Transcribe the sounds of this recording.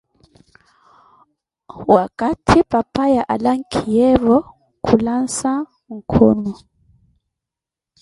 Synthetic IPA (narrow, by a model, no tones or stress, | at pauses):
wakʼatʰipʼapʼajaʔalaŋ̩kʰijɛvɔ | kʰulansa | ŋ̩kʰɔːnɔ